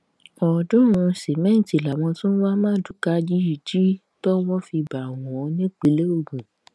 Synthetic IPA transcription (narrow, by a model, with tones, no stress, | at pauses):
ɔ˨dũ˦ɾ̃ũ˧si˨mɛ̃˦n˨ti˨la˨w̃ɔ̃˧tũ˦n̩˦wa˦mãː˦˨du˨˦ka˦d͡ʒi˦i˨d͡ʒi˦ | tɔ˦wɔ˦fi˧ba˨w̃ɔ̃˨ɔ˧nĩ˦k͡pi˨˦le˦o˦˨ɡũ˨